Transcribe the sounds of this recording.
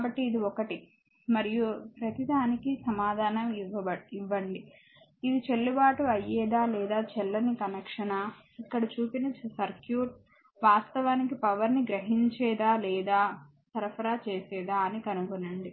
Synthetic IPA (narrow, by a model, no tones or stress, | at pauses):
kabɐʈːiːd̪iɔkɐʈi | mɐɾijupɾɐt̪id̪ʱaːnikisɐmaːd̪ʱaːnɐmiʋːɐbɐɽiʋːɐɳɖi | id̪it͡ʃelːubaːʈuɐjːɛːd̪aːlɛːd̪aːt͡ʃɛlːɐnikɐnɐkʂɐnaː | ikːɐɽɐt͡ʃuːpinɐt͡ʃsɐɾkjuːʈ̚ | ʋaːst̪ɐʋaːnikipɐʋɐɾniɡɾɐɦiɲt͡ʃɛːd̪aːlɛːd̪aː | sɐɾɐpʰɐɾaːt͡ʃeːsɛːd̪aːɐnikɐnukunːɐɳɖi